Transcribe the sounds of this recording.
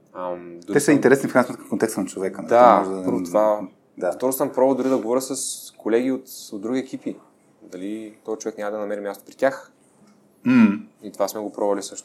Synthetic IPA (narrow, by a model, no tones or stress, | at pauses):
ɐmd̪ɛsɐint̪ɛɾɛsnifkɾansmt̪kɐmkont̪ɛkst̪ənɐt͡ʃovɛkənd̪apɤɾvot̪ova | d̪aft̪ɔɾosampɾɔβbəd̪ʊɾid̪ɐɡovɔɾʲəsɐskolɛɡ̟iot̪od̪ɾuɡʲiɛk̟ipi | d̪ɐlit̪ɔzit͡ʃovɛknʲamɐd̪ɐnɐmɛɾimʲjast̪o̥pɾit̪ʲax | m̩it̪ovasmɛɡopɾɔvɐlisɤʃt̪o̥